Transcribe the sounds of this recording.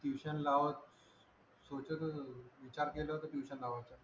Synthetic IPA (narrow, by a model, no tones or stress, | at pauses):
t̪juʋɕənlaʋət͡s | sot͡ɕət̪əʋit͡ɕaɾkelət̪ət̪juʋɕənlaʋat͡sə